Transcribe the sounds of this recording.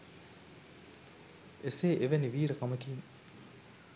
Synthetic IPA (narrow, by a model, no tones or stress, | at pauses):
eseːʔeʋeniʋiːɾəkaməkiːn